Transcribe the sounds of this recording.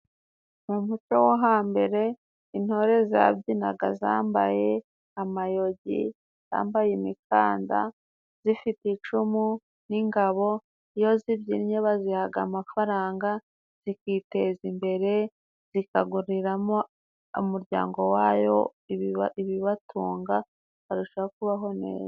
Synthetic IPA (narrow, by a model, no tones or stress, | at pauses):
mumut͡ʃowoɦaːmbe̞ɾe̞ | in̥ho̞ɾe̞za̰bɟina̰ɡaza̰ːmba̰je̞ | amajo̞ɟḭ | za̰ːmbajemikaːnda̰ | z̥ifitit͡ʃumu | niŋɡaβo̞ | ijo̞zibɟiɾiɲeβazihaɡamafaɾaːŋɡa | z̥ikiːte̞zimbe̞ɾe̞ | z̥ikaɡuɾiɾamo | umuɾɟa̰ːŋɡo̞waːjo̞̰ | iβiβatʰuːŋɡa | βaɾuʃaakuβaɦo̞ne̞̰ːza